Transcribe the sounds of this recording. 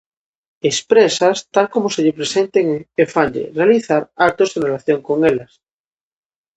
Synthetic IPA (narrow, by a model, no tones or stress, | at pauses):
espɾesast̪alkomoseʎepɾesẽnt̪eŋefaɲʎḛrealiθaɾaɾ̚t̪ozenrelaθjo̞ŋkoŋelas